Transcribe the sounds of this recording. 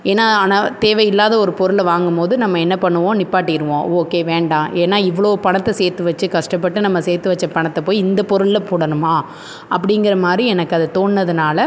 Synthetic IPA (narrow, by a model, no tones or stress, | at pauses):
eːnːaːaːnaːt̪eːʋɐɪlːaːðɐɔɾɯpɔɾɯɭʋaːŋɡɯmpoːðɯnɐmːɐɛnːɐpɐɳːɯʋõːnɪpːaːʈːɪɪɾɯʋõːoːkeːʋeːɳɖãːʔeːnːaːɪʋːɐɭoːpɐɳɐt̪ːɐseːɾt̪ːɯʋɐt͡ʃːɯkɐʂʈɐp̬ːɐʈːɯnɐmːɐseːɾt̪ːɯʋɐt͡ʃːɐpɐɳɐt̪ːɐpoːjɪnd̪ɐpɔɾɯɭɐpuːɽɐnɯmaː | ʔɐp̬ːɐɽɪŋɡɪɾɐmaːd̪ɾiɛnɐkːɐðɐt̪oːnːɐðɯnaːlɐ